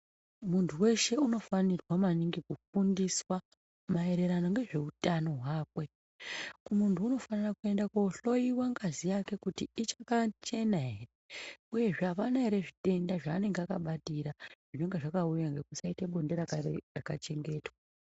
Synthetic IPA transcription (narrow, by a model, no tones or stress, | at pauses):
muntʰuwe̞ʃe̞uno̞fanirwamaniŋɡikufundiswa | mae̞ɾe̞ɾanoŋɡe̞ʐe̞utano̞ɦwaːkwe̞ | kumuntuːno̞fanirakue̞ndakoɬo̞jiwaŋkazijake̞kutiit͡ʃakat͡ʃe̞naereuje̞ʐeaʋanaeɾe̞ʐite̞ndaʐaːne̞ŋɡeakaɓatiɾaʐoŋɡeʐakaujaŋɡe̞kusaiteɓo̞ndeɾakrakat͡ʃe̞ŋɡe̞ːtwa